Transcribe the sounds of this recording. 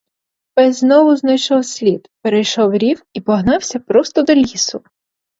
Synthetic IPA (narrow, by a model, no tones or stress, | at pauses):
pɛzznɔʋʊznɐjʃɔwsʲlʲid̪peɾejʃɔwɾʲiwipɔɦnɑwsʲɐpɾɔst̪ɔd̪ɔlʲisʊ